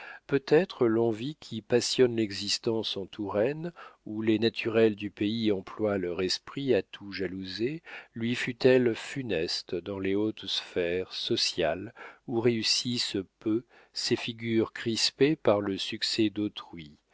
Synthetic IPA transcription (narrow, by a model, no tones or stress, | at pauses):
pøt̪ɛt̪χəlɑ̃vikʲʰipasjɔnlɛɡzist̪ɑ̃sɑ̃t̪ʰuʁɛnulenat̪ʰyʁɛld̪ypeiɑ̃plwalœʁɛspχiat̪ʰuʒaluzelɥifyt̪ɛlfynɛst̪d̪ɑ̃leot̪sfɛʁsɔsjaluʁeysispø | sefiɡʲyʁkχispepaʁləsyksɛd̪ot̪χɥi